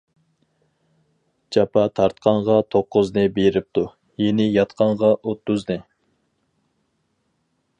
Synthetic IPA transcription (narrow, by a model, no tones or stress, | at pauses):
d͡ʒɑpʰɑt̪ʰɑɾt̪qʰɑɴʁɑt̪ʰoqːʊznɨbeɾɪp̚t̪ʰu | jenɪjɑt̪qʰɑɴʁɑʔot̪ːʊznɨ